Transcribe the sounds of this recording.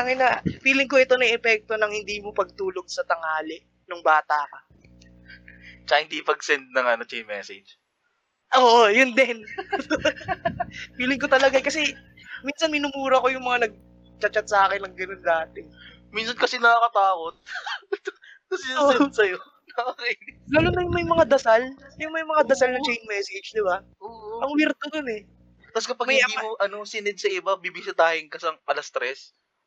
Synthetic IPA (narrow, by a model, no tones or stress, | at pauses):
ɐŋɐjnɐpiːlɪŋko̞ʔɛt̪o̞nɐʔɛpɛk̚t̪o̞nɐŋhɪnd̪iːmopɐɡ̚t̪uːlo̞ɡ̚sɐt̪ɐŋaːlɪʔ | nʊŋbaːt̪akɐ | t͡ʃɐkɐhɪnd̪ipɐɡ̚sɛnd̪̚nɐŋʔɐno̞t͡ʃɛjmɛsɛd͡ʒ | ʔoːʔojʊnd̪ɛn | piːlɪŋk̬ot̪ɐlɐɡakɐsɛ | miːnsɐnmɪnʊmuːɾɐko̞jʊŋmɐŋanɐɡ̚ | t͡ʃɐt͡ʃɐt̪̚sɐʔaːkɪnɐŋɡɐnond̪aːt̪ɪ | minsɐnkɐsɛnɐkakɐt̪aːko̞t̪̚ | kɐsɛosɐjo | nɐɐkilaːlʊnɐjʊŋmɐjmɐŋad̪ɐsalɐjʊŋmɐjmɐŋad̪ɐsalnɐt͡ʃɛjnmɛːsɪd͡ʒd̪ɪba | oʔʔɐŋwiɾt̪ononɛ | t̪askɐpɐɡmɐjɐiːmoʔɐno̞sɪnɛd̪̚sɐʔɪbabibɪsɪt̪aːhɪŋkɐsɐŋɐlɐst̪ɾɛs